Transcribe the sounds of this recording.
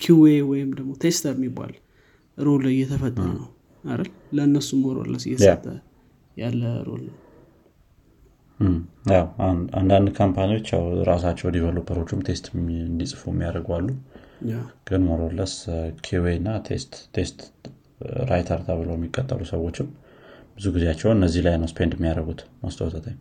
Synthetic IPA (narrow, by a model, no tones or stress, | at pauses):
kʰuwewɔjɪmd̪əɡmo̞t̪ʰe̞st̪ʰəɾɪmːiba̰l | ɨɾoljːɛt̪ʰəfət̪ʼːənəw | aɾəl | ləɨnːəsːumoɾo̰lə̰sɨ̰jɛt̪ʰat̪ʼʰːə | jalːəɨ̰ɾo̰lnəw | jawaand̪and̪kʰampʰanio̞t͡ʃːja̰wɾasat͡ʃːɛwd̪iβəlubʰəɾo̞t͡ʃːɪmt̪ʰe̞st̪nd̪isʼɨfuɛmːijaɾəɡalːu | ɡ̥ɨnmoɾolːəskʰeweɨnːat̪ʰest̪ːʰest̪ | ɾajt̪ʰəɾt̪ʰaβɨləwjɛmːikʼːət̪ʼːəlusəwo̞t͡ʃːɪmb̥ɨzuɡizeat͡ʃːɛwɨnːəzːihlajnəwspʰe̞nd̪ɛmːijaɾəɡut̪məst̪ʰəwt̪ʰət̪ʰəɲ